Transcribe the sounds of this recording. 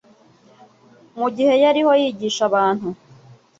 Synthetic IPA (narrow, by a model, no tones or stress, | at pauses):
muɟihe̞jaɾiho̞jiːɟiːʃaβaːn̥hu